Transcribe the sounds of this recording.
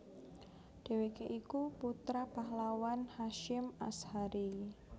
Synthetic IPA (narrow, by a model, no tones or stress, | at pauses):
d̥e̤wekeʔikuput̪ɾapaɦlawanhaʃɪma̰shaɾi